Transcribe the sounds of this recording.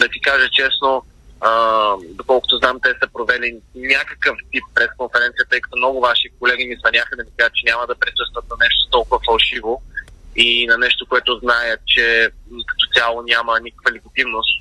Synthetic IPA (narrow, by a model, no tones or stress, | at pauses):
d̪ɐt̪ikaʒət͡ʃɛsno | əd̪okɔlˠkʊ̥t̪ʊznamt̪ɛsɐpɾovɛlinʲakɐkəft̪ipːɾɛskonfɛɾɛnt̪sijət̪ɤjkɐ̥t̪omnɔɡʊvaʃikolɛɡʲimisvɐnʲjaxəd̪ɐmikaʒət̪t͡ʃɛnʲaməd̪ɐpɾisɤst̪vət̪nɐnɛʃt̪o̥t̪ɔlˠkʊvəfɐlˠʃivoinɐnɛʃt̪okoɛt̪ʊznajət͡ʃɛkɐ̥t̪ot̪ʲalˠonʲamɐnikkvɐlit̪ɐt̪ivnost̪